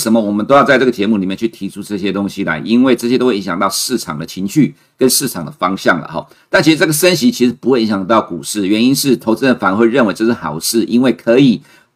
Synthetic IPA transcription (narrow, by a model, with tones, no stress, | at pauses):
ʂə˧˥mə˧wɔ˨˩mə˦t̪o˥ʊjɑ˥˧t͡sa˥˧ʈ͡ʂɤ˥˩ə˩t͡ɕjɛ˧˥mu˥˩li˨˩mjɛ˥˧nt͡ɕʰy˥˩t̪ʰi˧˥ʈ͡ʂʰu˥ʈ͡ʂɤ˥˩ɕjɛ˥t̪ʊ˥ŋɕi˧la̰˧˥ɪʔi˥nwe˥˩ɪʈ͡ʂɤ˥˩ɕjɛ˥t̪o˥we˥˩i˧˦ŋɕjɑ̰˨ŋt̪ɑ˥˧ʊʂɻ̩˥˩ʈ͡ʂʰɑ̰˨˩ŋd̪ə˦t͡ɕʰi˧˥ŋɕy˥˩ | kə˦˥nʂɻ̩˥˩ʈ͡ʂʰɑ˨˩ŋd̪ə˩fɑ˥ŋɕjɑ˥˩ŋlə̰˩xɔ̰˩˦ | t̪a˥˩nt͡ɕʰi˥ʂ̩˧ʈ͡ʂɤ˥˩ɡə˩ʂə˥nɕi˧˥t͡ɕʰi˧˥ʂɻ̩˧˥pu˧˥xwe˥˩i˧˥ŋɕjɑ˨˩ŋt̪ɑ˥˩ʊkṵ˨˩ʂɻ̩˥˩ɥɛ˧˥ni˥nʂɻ̩˥˩t̪ʰo˧˥t͡s̩˥˩fa˨˦n˧xwe˥˧ɪɻə˥˩nwe˥ɪʈ͡ʂʂ̩˥˩xɑ˨˩ʊʂɻ̩˥˩ʔi˥nwe˥˩ɪkʰɤ˧˥i˨˩